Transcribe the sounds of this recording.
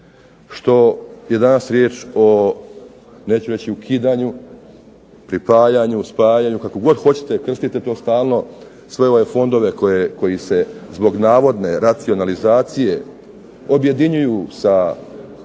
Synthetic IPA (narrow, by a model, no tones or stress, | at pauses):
ʃt̪o̞je̞d̪anasɾjeːt͡ʃo̞ | ne̞ːt͡ɕuɾe̞t͡ɕiukʰiːd̪aːɲu | pɾipaːjaɲuspaːjaːɲukakoɡo̞d̪xo̞t͡ɕe̥t̪e̞kr̩st̪it̪e̞t̪o̞ːst̪aːlˠno̞ | sʋe̞o̞ʋe̞fo̞nd̪o̞ʋe̞kko̞jise̞zbo̞ɡnaːʋo̞d̪ne̞ɾat̪sio̞nalizaːt̪sije̞ | o̞bje̞d̪iɲujuːsa